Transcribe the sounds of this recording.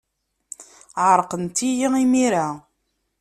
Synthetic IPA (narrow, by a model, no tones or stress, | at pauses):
ʕəɾˤqənt̪ijiimiɾa